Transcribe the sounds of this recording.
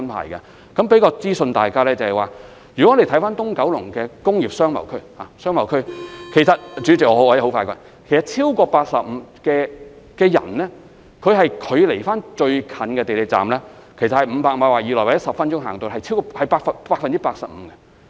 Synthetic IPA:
ɐ˥npʰa̰ː˨jkɐ̰˧ | kɐ˨˥mpe˨˥jkɔː˧t͡siː˥sɵ˧nt̪aː˨jkaː˥lɛː˥t͡sɐ˨hɐ˨˩jwaː˨ | jy˨kɔ˦˥˨e˨˧t̪ʰfaː˥nt̪ʊ˥ŋkɐ˨˥wlʊ˨˩ŋkɛː˧kʊ˥ŋjiː˨p̚sœː˥ŋmɐ̰˨˩wkʰɵ˥ɥhaː˨sœː˥ŋmɐ˨˩wkʰɵ˥ɥkʰe˨˩jsɐ˨t̚t͡ʃy˨˥t͡sɪ˨k̚ŋɔː˨˧hwaː˨˧jho˨˥faː˧jkɔː˧˩ | kʰe˨˩jsɐ˨t̚t͡sʰiː˥wkɔː˧paː˧k̚sɐ˨p̚m̩˨˧kɛː˧ | kɛː˧jɐ̰˨˩nlɛː˥ | kʰɵ˨˧ɥɦɐ˨jkʰɵ˨˧ɥle˨˩jfaː˥nt͡ʃɵ˧ɥkʰɐ˨˧nkɛː˧t̪e˨jle˨t͡sa̰ː˨mlɛː˥kʰjs̬ɐ˨hɐ˨jm̩˨˧paː˧k̚m̩˨˧waː˨˩jiː˨˧lɔː˨˩wːjɐ˥sɐ˨pfɐ˥nt͡ʃʊ˥ŋɦaː˨˩ŋt̪o˨wɦɐ˨jt͡sʰi˥wkɔ˧hɐ˨˩jpaː˧k̚fɐ˨paː˧k̚fɐ˨nt͡si˥paː˧k̚sɐ˨p̚m̩˨˧˦kɐ˧

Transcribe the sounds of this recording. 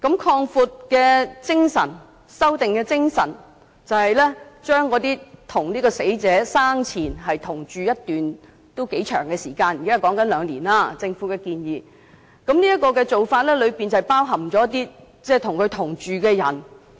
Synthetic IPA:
kɐ˨˧˥mkʰɔː˧ŋfuː˧t̚kɛː˧t͡sɪ˥ŋsɐ̰˨˩n | sɐ˥wt̪ɪ˨ŋkɛː˧t͡sɪ˥ŋsɐ̰˨˩n | t͡sɐ˨whɐ˨jlɛː˥t͡ʃœː˥ŋkɔː˨˧t̪iː˥t̪ʰʊ˨˩ŋliː˥kɔː˧se˨˥jt͡sɛː˨˥saː˥ŋt͡sʰiː˨˩nɦɐ˨jt̪ʰʊ˨˩ŋt͡ʃyː˨jɐ˥tt̪ːyː˨n | t̪o˥wke˨˥jt͡ʃʰœː˨˩ŋkɛː˧siː˨˩kaː˧n˨kaː˥˨kɔː˨˥ŋkɐ˨˥nlœː˨˧ŋliː˨˩naː˧t͡sɪ˧ŋfu˨˥kɛː˧kiː˧njiː˨˧ | kɐ˨˥mniː˥jɐ˥t̚kːɔː˧kɛː˧t͡so˨wfaː˧t̚lɛː˥lɵ˨˧ɥpiː˨nt͡sɐ˨jpaː˥wɦɐ˨˩mt͡sɔː˨˥t̪iː˥ | t͡sɛː˥˩t̪ʰʊ˨˩ŋkʰɵ˨˧ɥt̪ʰʊ˨˩ŋt͡ʃyː˨kɛː˧jɐ˨˩n

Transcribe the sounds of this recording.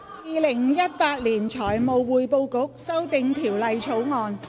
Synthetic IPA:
jiː˨˧lɪ˨˩ŋjɐ˥t̚paː˧t̚liː˨˩nt͡ʃʰɔː˨˩jmo˨˧wwuː˨˧jpo˧wkʊ˨˥k̚sɐ˥wt̪ɪ˨ŋt̪ʰiː˨˩wlɐ˨jt͡ʃʰo˨˥wŋɔː˨˧n

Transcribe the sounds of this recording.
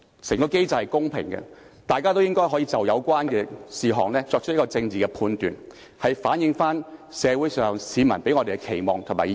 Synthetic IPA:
sɪ˨˩ŋkɔː˧ke˥jt͡sɐ˨whɐ˨jkʊ˥ŋpʰɪ̰˨˩ŋɡɛ̰˧t̪aː˨jkaː˥t̪o˥wjɪ˥ŋkɔː˥jɦɔː˨˥jiː˧t͡sɐ˨˩wjɐ˨˧wkʷwaː˥nɡɛ˧siː˨ɦɔː˨˩ŋlɛː˥t͡sɔː˧k̚t͡ʃʰt̚jkːɔː˧t͡sɪ˧ŋt͡siː˨˩kɛ˧pʰuː˧nt̪yː˨n | hɐ˨jfaː˨˥njɪ˨˧ŋfaː˥nsɛː˨˧wu˨˥jsœː˨ŋsiː˨˧mɐ̰˨˩npe˨˥jŋɔː˧e˨˩kɛ˧kʰe˨˩jmɔː˨ŋt̪ʰʊ˨˩maː˨˩

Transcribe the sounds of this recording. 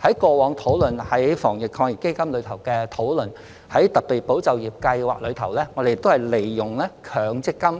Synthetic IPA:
hɐ˨˥jkɔː˧wɔː˨˧ŋt̪ʰo˨˥wlɵ˨˩nhɐ˨˥jfɔː˨˩ŋjɪ˨kʰɔː˧ŋjɪ˨kːe˥jkɐ˥mlɵ˨˧ɥt̪ʰɐ˨˩wkɛː˧t̪ʰo˨˥wlɵ˨˩n | hɐ˨˥jt̪ɐ˨k̚pːiː˨˩t̚po˨˥wt͡sɐ˨˧wjiː˨˩p̚kɐ˧jwa̰ː˨˩k̚lɵ˨˧ɥt̪ʰɐ˨˩wlɛː˥ŋɔː˨˧de˨jɪ˨kt̪o˥whɐ˨jle˨˩jːʊ˨˩ŋlɛː˥kʰœː˨˧ŋt͡sɪ˥kːɐ˥m

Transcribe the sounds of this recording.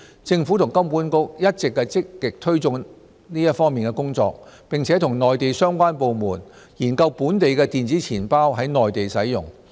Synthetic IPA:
t͡sɪ˧ŋfuː˨˥t̪ʰʊ˨˩ŋkɐ˥mpuː˨˥nkʊ˥k̚jɐ˥t̚t͡sɪ˨kːɛ˧t͡sɪ˥kːɪ˨k̚t̪ʰɵ˥ɥt͡sʊ˧ŋ | niː˥jɐ˥t̚fɔː˥ŋmiː˨nkɛ˧kʊ˥ŋt͡sɔ̰ː˧k̚pɪ˨ŋt͡sʰɛː˨˥t̪ʰʊ˨˩ŋnɔː˨jt̪e˨jsœː˥ŋkʷaː˥npo˨wmuː˨˩n | jiː˨˩nkɐ˧wpuː˨˥nt̪e˨jkɛː˧t̪iː˨nt͡siː˨˥t͡sʰiː˨˩npaː˥wɦɐ˨˥jnɔː˨jt̪e˨jsɐ˨˥jjʊ̰˨˩ŋ

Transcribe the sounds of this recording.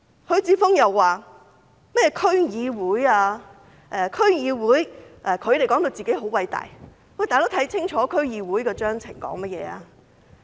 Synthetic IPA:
hɵ˨˧ɥt͡siː˨˥fʊ˥ŋjɐ˨wːaː˨ | mɐ˥jɛː˨˧kʰɵ˥ɥjiː˨˧wuː˨˥jaː˧ | ʔɛː˨kʰɵ˥ɥjiː˨˧wuː˨˥jʔɛː˨kʰɵ˨˧ɥt̪e˨˩jkɔ˨˥ŋt̪o˧wt͡siː˨˩ke˨˥jɦo˨˥wɐ˨˧jt̪a̰ː˨j | wa˧˩t̪aː˨t̪wt̪ʰɐ˨˥jt͡sʰɪ˥ŋt͡ʃʰɔː˨˦˥kʰɵ˥ɥjiː˨˧wuː˨˥jkɛː˧t͡ʃœː˥ŋt͡sʰɪ̰˨˩ŋkɔ̰ː˨˥ŋmɐ˥t̚jɛ̰ː˨˧aː˧

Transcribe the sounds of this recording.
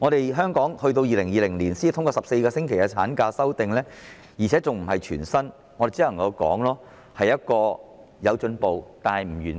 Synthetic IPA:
ŋɔː˨˧ɾe˨jɦœː˥ŋkɔː˨˥ŋhɵ˧ɥt̪̬o˧wjiː˨lɪ˨˩ŋjiː˨lɪ˨˩ŋliː˨˩nsiː˥t̪ʰʊ˥ŋkɔː˧sɐ˨p̚se˧jkɔː˧sɪ˥ŋkʰe˨˩jɐ˧t͡sʰaː˨˥nkaː˧sɐ˥wt̪ɪ˨ŋlɛː˥ | jiː˨˩t͡sʰɛ˨˥t͡sʊ˨ŋm̩˨˩ɦɐ˨jt͡ʃʰyː˨˩nsɐ˥n | ŋɔ˨˧d̪e˨jt͡siː˥ɐ˨˩ŋjɐ˨˧wkɔ̰ː˨˥ŋlɔː˥ | hɐ˨jːɐ˥t̚kɔː˧ | jɐ˨˧wt͡ʃɵ˨˧npo˨wt̪aː˨nhɐ˨jm̩˨˩jyː˨˩n

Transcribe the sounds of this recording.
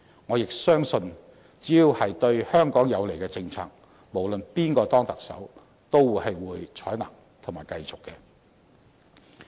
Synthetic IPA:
ŋɔː˨˧jɪ˨k̚sœː˥ŋsɵ˧n | t͡siː˨˥jiː˧whɐ˨jt̪ɵ˧ɥhœː˥ŋkɔː˨˥ŋjɐ˨˧wle˨˩jkɛ˧t͡sɪ˧ŋt͡sʰa̰ː˧k̚ | mo˨˩wlɵ˨npiː˥nkɔː˧t̪ɔː˥ŋt̪ɐ˨k̚sɐ̰˨˥w | t̪o˥wwuː˨jhɐ˨jwuː˨˧jt͡ʃʰɔː˨˥jnɐ̰ː˨˩ŋ | t̪ʰʊ˨˩ŋmaː˨˩jkɐ˧jt͡sʊ˨kːɛ˧

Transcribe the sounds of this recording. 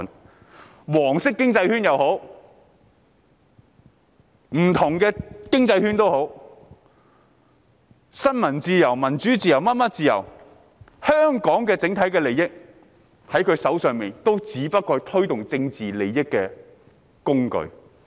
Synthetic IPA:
wɔː˨˩ŋsɪ˥kːɪ˥ŋt͡sɐ˧jhyː˥njɐ˨who˨˥w | m̩˨˩t̪ʰʊ˨˩ŋkɛː˧kɪ˥ŋt͡sɐ˧jhyː˥nt̪o˥who˨˥w | sɐ˥nmɐ˨˩nt͡siː˧jɐ˨˩wmɐ˨˩nt͡ʃyː˨˥t͡siː˧jɐ˨˩wmɐ˥t̚mɐ˥t̚t͡siː˨˧jɐ̰˨˩w | hœː˥ŋkɔː˨˥ŋkɛː˧t͡sɪ˨˥ŋt̪ʰɐ˨˥jkɛː˧le˨˩jɪ˥k̚ | hɐ˨˥jkʰɵ˨˧ɥsɐ˨˥wsœː˨˧ŋmiː˨nt̪o˥wt͡siː˨˥pɐ˥t̚kɔː˧t̪ʰɵ˥ɥt̪ʊ˨˩ŋt͡sɪ˧ŋt͡siː˨le˨˩jjɪ˥kːɛː˧ | kʊ˥ŋkɵ̰˧ɥ

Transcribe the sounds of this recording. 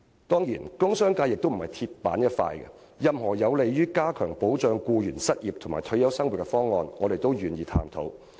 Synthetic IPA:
t̪ɔː˥ŋjiː˨˩nkʊ˥ŋsœː˥ŋkaː˧jɪ˨k̚t̪o˥m̩˨˩hɐ˨˩jt̪ʰi˧t̚pa̰ː˨˥njɐ˥t̚fa̰ː˧jɡɛ̰˧ | jɐ˨mhɔː˨˩jɐ˨˧wle˨jɥyː˥kaː˥kʰœ̰ː˨˩ŋpo˨˥wt͡ʃœː˧ŋkuː˧jyː˨˩nsɐ˥t̚jiː˨˩p̚t̪ʰʊ˨˩maː˨˩jt̪ʰɵ˧˥ɥjɐ˨˥wsɐ˥ŋwu˨t̚kɛ˧fɔː˥ŋːɔ̰ː˧nŋɔː˨˧ɾe˨jt̪o˥wɥyː˨˩njiː˨˧t̪ʰa̰ː˧mt̪ʰo̰˨˥w

